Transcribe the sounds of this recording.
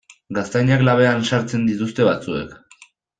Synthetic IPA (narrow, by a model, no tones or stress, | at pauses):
ɡast̪ajɲaklaβ̞e̞ansaɾt͡se̞nd̪it̪ust̪e̞βat͡sue̞̰k